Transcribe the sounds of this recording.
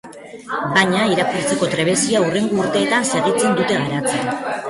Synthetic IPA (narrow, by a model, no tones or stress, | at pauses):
baɲaiɾakuɾt͡se̞ko̞t̪ɾe̞βe̞siaure̞ŋɡuːɾt̪e̞ːt̪anse̞ɣit͡se̞nd̪ut̪e̞ɣaɾat͡sen